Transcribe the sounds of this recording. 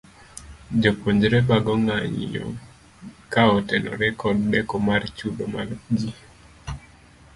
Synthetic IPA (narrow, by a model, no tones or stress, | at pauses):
d͡ʒopoɲd͡ʒɾɛbaɡɔŋaɲḭjɔ̰ | kaɔtɛnɔ̰ɾɛkɔdːɛkɔmart͡ʃudomald͡ʒi